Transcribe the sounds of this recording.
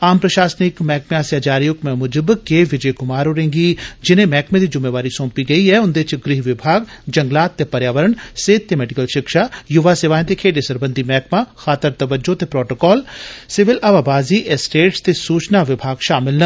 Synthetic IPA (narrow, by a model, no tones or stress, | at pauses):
aːmpɾɐʃaːsnɪkmɛːk̚meaːsjad͡ʒaːɾijʊkmɛmʊd͡ʒəbkeːʋɪd͡ʒəjkʊmaːɾoɾẽːŋɡid͡ʒɪnẽmɛːkmẽd̪id͡ʒʊmeːʋaːɾisõːmpiɡɐiɦɛʊnd̪et͡ʃɡɾiɦʋɪbʱaːɡd͡ʒɐ̃ŋɡlaːt̪ːepɐɾjaːʋəɾəɳseːd̪̚t̪emɛːɖɪkəlʃɪkʃaːjʊʋasɪʋaːj̃t̪ekʰeːɖesɐɾbə̃nd̪ʱimɛːkmaxaːt̪əɾt̪ɐʋəd͡ʒot̪epɾɔːʈokɔːlsɪʋɪlʔɐʋaːbaːziʔesʈeːʈst̪esuːt͡ʃnaʋɪbʱaːɡʃaːmɪlnɐ